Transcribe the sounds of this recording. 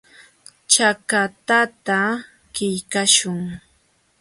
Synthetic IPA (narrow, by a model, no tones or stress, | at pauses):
t͡ʃakat̪at̪a | kɪjkaʃʊŋ